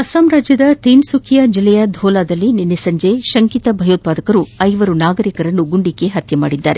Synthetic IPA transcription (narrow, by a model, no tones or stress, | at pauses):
ɐsaːmɾaːd͡ʒjɐd̪ɐt̪iːmsukʰijɐd͡ʒilːɛjɐd̪ʱɔːlaːd̪ɐlːininːisɐɲd͡ʒe̞ʃɐŋkit̪ɐbʱɐjoːt̪̚paːd̪ɐkɐɾuɐjʋɐɾunaːɡɐɾikɐɾɐnːuɡuɳɖikːeɦɐt̪ʰjɐma̰ːɽid̪ːaːɾe